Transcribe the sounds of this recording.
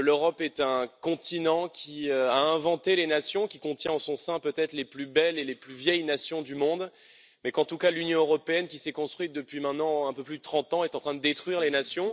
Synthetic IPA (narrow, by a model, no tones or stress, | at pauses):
løʁɔpɛt̪ɛ̃kɔ̃t̪inɑ̃kʲʰiøaɛ̃vɑ̃t̪elenasjɔ̃kʲikɔ̃t̪jɛ̃ɑsɔ̃sɛ̃pøt̪ɛt̪χleplybɛleleplyvjɛjnasjɔ̃d̪ymɔ̃d̪ | mɛkɑ̃t̪ukalynjɔ̃øʁɔpeɛnkʲisɛkɔ̃st̪χwɥit̪̚d̪əpɥimɛ̃t̪nɑ̃ɛ̃pøplyd̪ət̪χɑ̃t̪ɑ̃ɛt̪ɑ̃t̪χɛ̃d̪əd̪et̪χɥiʁlenasjɔ̃